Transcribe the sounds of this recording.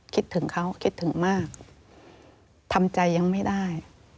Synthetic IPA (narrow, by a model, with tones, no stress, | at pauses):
kʰi˦˥t̪ʰːɯ˩˦ŋkʰa˦˥wkʰi˦˥t̪ʰːɯ˩˦ŋmaː˥˩k̚ | t̪ʰa˧mt͡ɕa˧jːa˧ŋma˥˩jda˥˩j